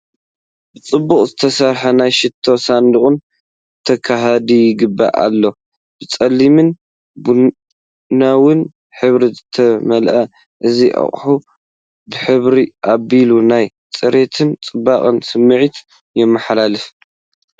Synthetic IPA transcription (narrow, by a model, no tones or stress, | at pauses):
bɨt͡sʼɨbːuχʼzɨt̪ʰɐsɐɾħɐnajʃɪt̪ʰːo̞sand̪ɨχʼɨn | t̪ʰɐkʰaɦad̪ijɪɡɨbːa̰ʔa̰lːo̞ | b̥ɨt͡sʼɐlːimɨn | bu | nawɨn | ħɨβɾizɨt̪ʰɐmɐlʔɐ | ʔɨziʔɐ̰χʼħu | bɨħɨβɾiʔabilunaj | t͡sʼɨɾe̞t̪ʰɨnt͡sʼɨbːaχʼɨnsɨmːɨʕit̪ | jɛmːɐħlalɨf